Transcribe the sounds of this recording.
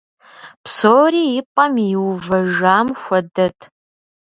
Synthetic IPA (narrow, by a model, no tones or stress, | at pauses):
psoːriːjɪpʼɐmjɪwvɐʒaːmxʷɔdɐtʰ